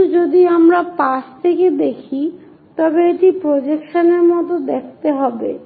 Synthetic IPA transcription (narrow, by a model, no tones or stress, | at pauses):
d͡ʑod̪iamɾapaʃt̪ʰeked̪ekʰi | t̪ɔbeeʈipɾod͡ʑekʃaneɾmɔt̪od̪ekʰt̪eɦɔbḛ